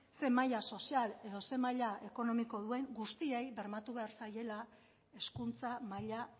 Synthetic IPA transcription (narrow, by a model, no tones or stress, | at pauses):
se̞maʎaso̞siale̞ðo̞se̞maʎaʔe̞ko̞no̞miko̞ð̞ue̞ŋɡust̪ie̞jβe̞ɾmat̪uβe̞aɾsaje̞la | e̞skunt͡samaʎa